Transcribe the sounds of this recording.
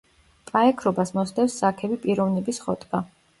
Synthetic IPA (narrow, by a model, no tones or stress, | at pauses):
pʼaɛkʰɾɔbasmɔsd̪ɛfsːakʰɛbipʼiɾɔvnɛbisχɔt̪ʼɡʼa